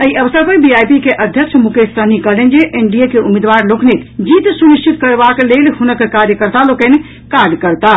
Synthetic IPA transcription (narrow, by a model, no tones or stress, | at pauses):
əiəʋəsəɾpəbiajpikeʔəd̪ʱjəkt͡ʃʰmukesənikəlend͡ʒeʔeɳɖiekeʔumed̪ʋaɾloknet̪d͡ʒit̪suniʃt͡ʃit̪kəɾbaklelhunəkːekaɾjəkəɾt̪alokəne | kaɾɖkəɾt̪a